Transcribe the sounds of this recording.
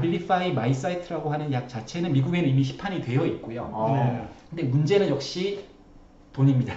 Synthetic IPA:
biɭːifʰaimais̬͈aitʰɯɾaɡoɦanɯnjak̚t͡ɕat͡ɕʰe̞nɯnmiɡuɡe̞nɯimiɕ̬ʰi̥pʰaɲidwe̞jʌit̚k͈ojokɯnde̞mund͡ʑe̞nɯnjʌk̚ɕ͈i | toɲimɲida

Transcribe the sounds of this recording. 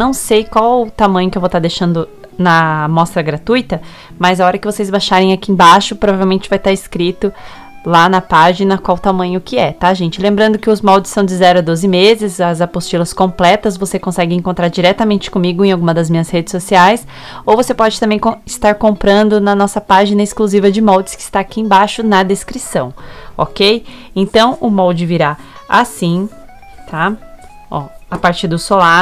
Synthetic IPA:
nɐ̃w̃sejkwawt̪amɐ̃ɲʊkɪewvowt̪aɾd̪eʃɐ̃nd̪ʊ | nɐmɔst̪ɾɐɡɾat̪ujt̪ɐ | mɐzaɔɾɐkɪvosezbajʃaɾẽj̃akiẽbaʃʊpɾovavewmẽnt͡ʃɪ̥vajt̪aɾɪskɾit̪ʊ | lanɐpaʒinɐkwawt̪amɐ̃ɲʊkɪɛt̪aʒẽnt͡ʃɪlẽmbɾɐ̃nd̪ʊkɪʊzmɔwd͡ʒɪsɐ̃w̃d͡ʒɪzɛɾʊɐd̪ozɪmezɪzɐzapost͡ʃilɐskõplɛt̪ɐzvosekõsɛɡɪẽŋkõnt̪ɾaɾd͡ʒiɾɛt̪ɐmẽnt͡ʃɪ̥kõmiɡʊẽawɡũmɐd̪ɐzmĩɲɐshed͡ʒɪsosiajs | owvosepɔd͡ʒɪt̪ɐ̃mbẽj̃kɪst̪aɾkõmpɾɐ̃nd̪ʊnɐnɔsɐpaʒinɐɪskluzivɐd͡ʒɪmɔwd͡ʒɪ̥skɪ̥ːst̪aːakiẽbajʃʊnɐd̪eskɾisɐ̰̃w̃o̰kej | ẽnt̪ɐ̃w̃ʊmɔwd͡ʒɪviɾaasĩ | t̪ʰa | ɔapaɾt͡ʃiɾd̪ʊsola

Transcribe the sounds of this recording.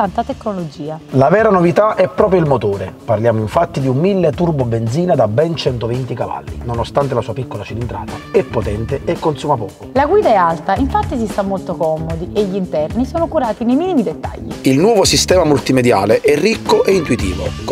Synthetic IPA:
t̪ant̪at̪ekːnolod͡ʒiːalavɛːɾanovit̪aʔɛpːɾɔːp̬ɾjoilmot̪oːɾeparljaːmoiɱfat̪ːid̪iumːilːet̪urbobend̪ziːnad̪abːɛnt͡ʃɛnt̪ovint̪ikava̰lːḭnonost̪ant̪̬elasuːapikːolat͡ʃilind̪ɾa̰ːt̪aɛpːot̪ɛnt̪eekːonsuːmapɔːkolaɡwiːd̪aɛalt̪aiɱfat̪ːis̬ist̪amːolt̪okɔmod̪iʔeʎːint̪ɛrnisoːnokuɾaːt̪inejmiːnimid̪et̪ːa̰ʎːḭilnwɔːvosist̪ɛːmamult̪imed̪jaːleʔɛrːikːoʔeint̪uit̪ḭːvok

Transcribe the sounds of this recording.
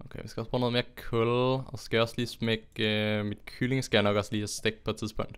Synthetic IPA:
ʔokʰeɪʋisɡ̥æɒsb̥ʁoːnoð̩ˠmeːɐkʰɔlɒsɡ̥æjaɒsliːsmeɡ̥əmid̥kʰylɪŋsɡ̥æjanɒɡ̥ɒsliːæsteɡ̥̚pʰɔ̽ed̥̚t͡sʰiðˠspʰɔ̽ŋ̰d̥

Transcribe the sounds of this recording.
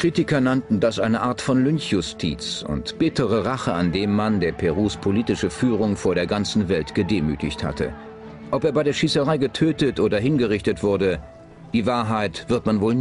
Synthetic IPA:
kʁ̥iːtɪkɐnantn̩dasʔaɪnəʔaːɐtfɔnlʏnçjʊstʰḭːt͡sʊ̰ntb̥ɪtʰəʁəʁaχəandeːmːandeːɐpʰɛʁuːspʰoliːtɪʃəfyːʁ̞ʊŋfoːɐɾeːɐɡant͡sn̩vɛltɡ̥ədeːmy̰ːtɪ̰çtha̰tʰə̰ | ʔɔpeːɐbaɪdeːɐʃiːsəʁaɪɡətʰøːtətʔoːdɐɦɪnɡəʁɪçtətv̥ʊɐdə | d̥iːvaːɐɦaɪtv̥ɪɐtmanvoːln

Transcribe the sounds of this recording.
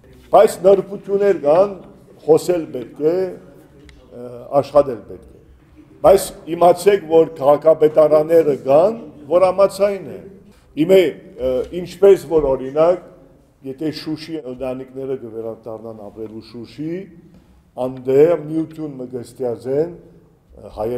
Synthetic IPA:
b̥ɑjt͡sʰnəɾput̪ʰjunːɛɾɡɑn | χɔsɛlpɛt̪̚kɛ | ɑ̰ʃχɑt̪ɛlpɛt̪kʰɛ̥ | bɑjt͡sʰimɑt͡sʰɛkʰvɔɾkʰɑʁɑkʰɑpɛt̪ɑɾɑnːɛɾəɡɑnvɔɾɑmɑt͡sʰɑjnɛ̰ | imɛ | int͡ʃʰpɛsvɔɾɔɾinɑk | jɛt̪ʰɛʃuʃiənt̪ɑniknɛɾəkəvɛɾɑd̪ɑrnɑnɑ̰pɾɛluʃuʃi | ɑnd̪ɛmijut̪ʰjunməɡəst̪jɑd͡zɛn | hɑjɛ

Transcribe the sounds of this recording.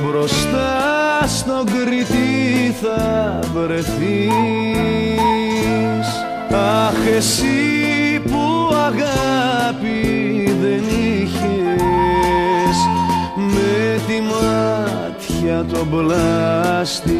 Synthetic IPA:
bɾo̞st̪ɐ | st̪o̞ɡɾit̪iθɐ | vɾe̞θi | s | ɐxesipuɐɣɐpi | ðe̞niçe | smet̪imɐ | t̪çɐt̪o̞blɐst̪i

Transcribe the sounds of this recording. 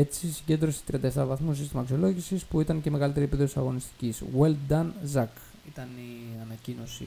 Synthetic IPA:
e̞t͡sisiɟe̞nd̪ɾo̞si̥e̥t̪ɾiɐnd̪ɐeft̪ɐɾɐvɐθmus̬ist̪imɐːksio̞lo̞ʝisispuit̪ɐnceme̞ɣɐlit̪e̞ɾiepiðossɐɣo̞nist̪i̥ciswe̞ld̪ɐnzɐk | it̪ɐniɐnɐcino̞sḭ

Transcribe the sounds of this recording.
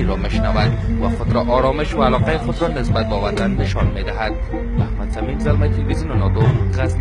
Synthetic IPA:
iɾɒmeʃnævæd̪̚væχod̪ɾɒʔɒːɾɒmeʃvæːlɔqæiχod̪ɾɒnesbat̪̚bɛːvæɾd̪anːeʃɒnmed̪æɦæd̪̥̚ | mæhmad̪sæmimzalmæt̪ʰilbizinunɒd̪onʁaz

